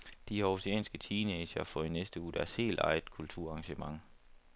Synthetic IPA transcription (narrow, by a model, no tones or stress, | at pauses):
d̥ihɑosiɛ̰ːnsɡ̥ət͡sʰiːneːɕɐfɒinesd̥əuːd̥æɐshe̝̰ːld̥ɑ̈ɪð̥ˠkʰult͡sʰuɐ̰ɑ̈ŋɕəmɑ̈ŋ